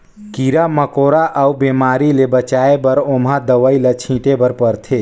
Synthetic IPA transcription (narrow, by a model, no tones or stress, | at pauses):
kiɾaməkoɾaʔaubemaɾilebət͡ʃaebəɾomɦad̪əʋəilət͡ʃʰĩʈebəɾpəɾt̪ʰe